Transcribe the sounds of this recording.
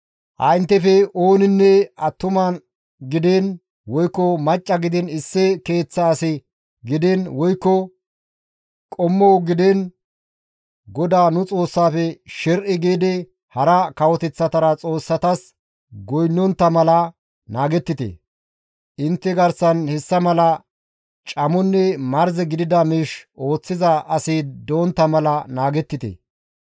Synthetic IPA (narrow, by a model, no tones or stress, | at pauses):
ʔɐ̰jnt̪ːɛfɛo̞ːnɪnːɛɐt̪ːʊmɐn | ɡɪd̪en | wɔjkːɔmɐt͡ʃʼːɐɡɪd̪ɪnɪsːɛke̞ːt͡sːɐːsɪ | ɡɪd̪ɛnwɔjkːɔ | kʼɔmːɔwɡɪd̪ɛn | ɡɔd̪aːnʊt͡sʼo̞ːsːaːfɛʃɛɾʔɪɡeːd̪ɛ | hɐɾɐkɐwɔt̪ɛt͡sːɐt̪ɐɾɐt͡sʼo̞ːsːɐt̪ɐs | ɡɔjnːɔnt̪ːɐmɐlɐ | naːɡɛt̪ːɪt̪ḛ | ʔɪnt̪ːɛɡɐɾsɐnhɛsːɐmɐlɐ | t͡ʃʼɐmɔnːɛmɐɾzɛɡɪd̪ɪd̪ɐmiːʃʔo̞ːt͡sːɪzɐʔɐsiːd̪oːnt̪ːɐmɐlɐnaːɡɛt̪ːɪt̪ḛ